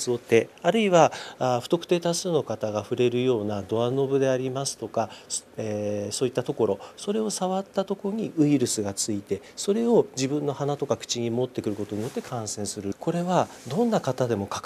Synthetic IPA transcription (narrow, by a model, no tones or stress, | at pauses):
sɨot̪ːe̞aɾɯ̟iβaɸɯ̟t̪o̞kɯ̟̥t̪e̞ːt̪asɨno̞kat̪aɡaɸɯ̟ɾe̞ɾɯ̟jo̞ːnad̪o̞ano̞bɯ̟d̪e̞aɾʲimasɨ̥t̪o̞kaseso̞ːit̪ːat̪o̞ko̞ɾo̞so̞ɾe̞o̞saβat̪ːat̪o̞koɾoɲ̟iʔɯ̟iɾɯ̟sɨɡat͡sɨit̪e̞so̞ɾe̞o̞d͡ʑibɯ̟̃nːo̞hanat̪o̞kakɯ̥t͡ɕiɲ̟imo̞t̪ːe̞kɯ̟ɾɯ̟ko̞t̪o̞ɲ̟ijo̞t̪ːe̞kʰãɰ̃sẽ̞ɰ̃sɨɾɯ̟kʰo̞ɾe̞βad̪õ̞nːakat̪ad̪e̞mo̞kḁk